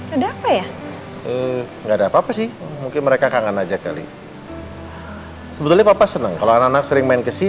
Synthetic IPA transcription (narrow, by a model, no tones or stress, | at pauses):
adaapaja | ə | ŋɡaːdaːpaːpasɪhmuŋkɪnməɾekakaŋanad͡ʒaka̰lḭ | səbət̪ʊlɲapapasənəŋkaloanaknak̚səɾɪŋmaɪnkəsi